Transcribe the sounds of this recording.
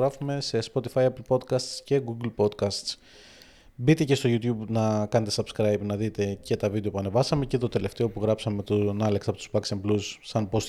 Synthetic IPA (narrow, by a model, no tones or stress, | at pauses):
ɾɐfume̞se̞spot̪ifɐjɐplpo̞d̪kɐst̪sce̞ɡuɡlpo̞d̪kɐst̪s | bit̪e̞ce̞st̪o̞ʝut̪çubnɐkɐnet̪e̞sɐbskɾɐjbnɐðit̪e̞ce̞t̪ɐvid̪eo̞puɐne̞vɐsɐme̞ceðt̪ot̪e̞le̞ft̪e̞o̞puɣɾɐpsɐme̞t̪unɐleksɐpo̞t̪u̥spɐksemblusːɐnpo̞s